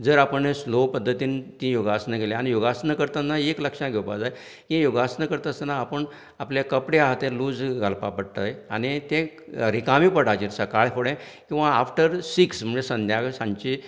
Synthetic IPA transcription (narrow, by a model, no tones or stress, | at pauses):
d͡zəːɾapəɳeslopəd̪ʱːət̪iːnt̪ĩjoɡasnəkeleañijoɡasnəkəɾt̪anːaekləkʂãɡʱewpad͡zaj | kẽjoɡasnəkəɾt̪əsnaːpəɳ | apljakəpɽeaɦt̪ẽluːd͡zɡʱalpapəɽt̪əjañit̪ẽɾikamiːpəɽad͡ʑiɾsəkaɭfʰoɽɛ̃kĩʋaːfʈəɾsiksm̤əd͡zesənd̪ʱjaɡsãɲt͡ɕi